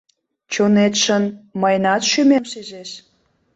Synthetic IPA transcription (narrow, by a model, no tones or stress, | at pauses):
t͡ɕonet̪ʃənməjnɑt̪ʃymemʃezeʃ